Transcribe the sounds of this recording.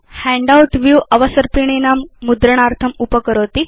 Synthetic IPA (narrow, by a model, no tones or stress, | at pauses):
hæ̃ɳɖawʈʋjuʔɐʋəsəɾpiɳ̃enamːud̪ɾəɳ̃aɾt̪ʰəmupəkəɾot̪i